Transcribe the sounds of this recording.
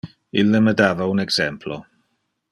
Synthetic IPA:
ɪləmədavawənɛɡz̥ɛmpʰlɔ

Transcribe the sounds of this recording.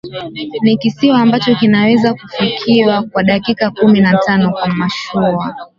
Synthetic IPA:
nikisiwaːmbat͡ʃɔkinawɛzakufikʰiwakwaɗakikakuminatanɔkwamaʃua

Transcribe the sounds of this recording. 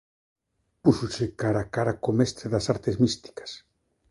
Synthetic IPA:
pusosekaɾakaɾakomest̪ɾeðasaɾt̪ezmist̪i̥kɐ̥s

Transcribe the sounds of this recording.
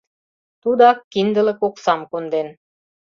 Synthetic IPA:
t̪ud̪ɑkːind̪ə̆lə̆koksɑmkund̪en

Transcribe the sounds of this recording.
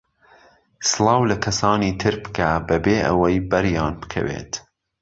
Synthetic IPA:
sɨlˠɑːwlɐkʰɐsɑːniːt̪ʰɨɾbɨ̥kʰabɐbeːʔɐ̰wɐjbɐɾjɑːnbɨ̥kʰɐ̰wḛːt̪

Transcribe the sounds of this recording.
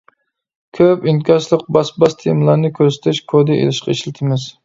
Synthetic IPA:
kʲʰøpinkʲʰɑt͡ʃlˠəq̚bɑsbɑst̪ʰejmlˠɑɾnɨkʲʰøɾsɪ̥t̪ʰɪʃkʰod̪ɪʔḛlɪʃqʰɑiʃlɪt̪ʰɪmɪz̥

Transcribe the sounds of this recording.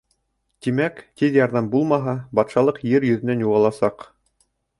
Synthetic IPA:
t̪imækt̪iðjɑɾðɑmbulˠmɑɦɑbɑt̪ʃɑlˠɤqjɘɾjɵ̆ðɘ̆nænjuʁɑlˠɑsɑq

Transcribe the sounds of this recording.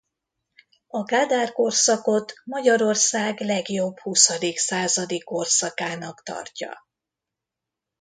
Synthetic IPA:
ɒɡaːd̪aːrko̞rsɒko̞t̪mɒɟɒɾo̞rsaːɡlɛɡjo̞b̥husɒd̪iksaːzɒd̪ikːo̞rsɒkaːnɒkt̪ɒ̰rcɒ̰

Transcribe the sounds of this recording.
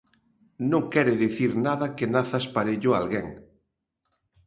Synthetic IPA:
nõŋkɛɾɪðeθiɾnaðɐkenaθaspaɾeʎʊa̰lɣeŋ

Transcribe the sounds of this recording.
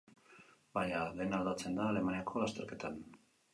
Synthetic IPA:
bajaðenald̪at͡se̞nd̪aːle̞maniakʰo̞last̪e̞ɾke̞t̪an

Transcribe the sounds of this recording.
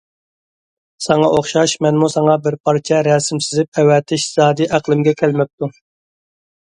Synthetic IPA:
sɑŋɑʔoχʃɑʃmɛnmusɑŋɑbɪɾpʰɑɾt͡ʃʰɛɾɛsɪmsɪzɪp̚ɛwɛt̪ʰɪʃz̥ɑːd̪ɨʔæqlˠɪmɡʲɛkʲʰælmɛp̚t̪ʰu

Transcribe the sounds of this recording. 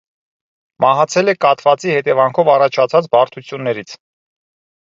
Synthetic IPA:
mɑɦɑt͡sʰɛlɛkɑt̪vɑt͡sihɛt̪ɛvɑŋkʰɔvɑrɑt͡ʃʰɑt͡sʰɑt͡sbɑɾt̪ʰut͡sʰjunːɛɾit͡sʰ

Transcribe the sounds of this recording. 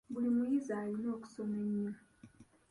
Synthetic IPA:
bulimujizalino̞ːku̥someɲːa

